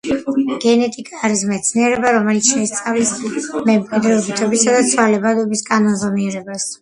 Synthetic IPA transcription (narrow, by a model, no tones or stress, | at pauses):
ɡ̥ɛnɛt̪ʼikʼaːɾismɛt̪sʰniɛɾɛbaɾɔmɛlit̪sʰʃɛst̪sʼavlismɛmkʼid̪ɾɛɔbit̪ʰɔbisad̪at̪sʰwalɛbad̪ɔbisɡʼanɔnzʁɔniɛɾɛbas